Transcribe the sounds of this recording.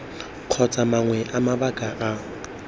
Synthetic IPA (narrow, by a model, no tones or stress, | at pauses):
q͡χʰɔt͡sʼamaŋwɛʔamabakʼaʔa